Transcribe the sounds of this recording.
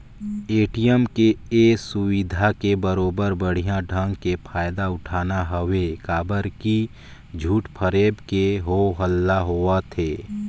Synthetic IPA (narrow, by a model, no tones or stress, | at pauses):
eːʈijəmkeesʊwɪd̪ʱakebəɾoːbəɾbəɽ̤ijãɖʱə̃ŋɡkepʰaːjd̪aʊʈʰaːnaɦəwekaːbəɾki | d͡ʒʱuːʈpʰəɾeːbkeɦoɦəlːaɦoːat̪ʰeː